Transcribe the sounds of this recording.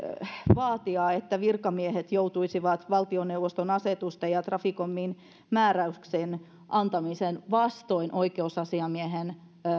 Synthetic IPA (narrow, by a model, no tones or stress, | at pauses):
ʋɑːt̪iɑːet̪ːæʋirkɑmiehet̪jout̪uisiʋɑt̪ʋɑlt̪ionewʋːost̪onɑset̪ust̪ejɑt̪rɑfikomːiːn | mæːræyksen | ʔɑnt̪ɑmisenʋɑst̪oinʔoikeusɑsiɑmieɦen